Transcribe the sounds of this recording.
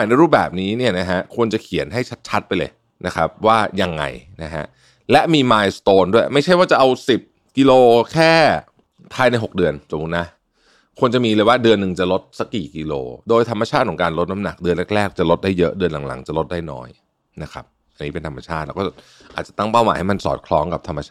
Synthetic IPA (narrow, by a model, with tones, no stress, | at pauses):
a˨˩jna˧jɾuː˥˩p̚bɛ̰ː˨˩p̚niː˦˥ni˥˩ɐna˦˥ɦa˦˥ʔkʰu˧ənt͡ɕa˨˩kʰi˨˩˦ənɦa˥˩jt͡ɕʰa˦˥t̪̚t͡ɕʰa˦˥t̪̚pa˧jlɤ̰ː˧j | nʔa˦˥xʰa˦˥p̚waː˥˩ja˧ŋːa̰˧jna˦˥ɦa̰˦˥ʔ | lɛ˦˥ʔmiː˧maː˧jst̪oː˧ndu˥˩əjma˥˩t͡ɕʰjwaː˥˩t͡ɕa˨˩ʔa˧wsi˨˩p̚ | ki˧loː˧kʰɛː˥˩ | pʰaː˧jna˧jɦo˨˩k̚dɯ˧ənso˩˦mu˦˥t̪na˦˥ | kʰu˧ənt͡ɕa˨˩miː˧ləː˧jwaː˥˩dɯ˧ənːɯ˨ŋt͡ɕa˨˩lo˦˥t̪̚sa˦˥kːiː˨˩ki˧lo̰ː˧doː˧jt̪ʰmːa˧t͡ɕʰaː˥˩t̪̚ːʰɔ˩˦ŋkaː˧nlo˦˥t̪̚na˧mna̰˨˩k̚dɯ˧ənle˦˥˩k̚lɛː˥˩k̚t͡ɕa˨˩lo˦˥t̪̚daː˥˩jːɤ˦˥ʔdɯ˧ənla˨˩˦ŋla̰˩˦ŋt͡ɕa˨˩lo˦˥t̪̚daː˥˩jnɔ̰ː˦˥j | na˦˥kʰa̰˦˥p̚ | ʔa˧niː˦˥pe˧nt̪ʰa˧mːa˧t͡ɕʰaː˥˩t̪̚lɛː˦˥wkɔː˥˩t͡ɕ | ʔaː˨˩t̪̚t͡ɕa˨˩t̪a˥˩ŋpaː˩wma̰ː˨˦jha˥˩ma˧nsɔ̰ː˨˩t̪̚kʰlɔː˦˥ŋka˨˩p̚t̪ʰa˧mːa˧aː